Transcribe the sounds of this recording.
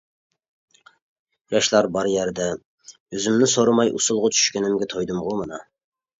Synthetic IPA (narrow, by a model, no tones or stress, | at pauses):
jɑʃlˠɑɾbɑɾjæɾd̪ɛ | øzymnɪsoɾɑmɑjʔṵsulˠʁʊt͡ʃʰy̥ʃkʲenɪmɡʲɛt̪ʰojd̪ɨmʁʊmɨnɑ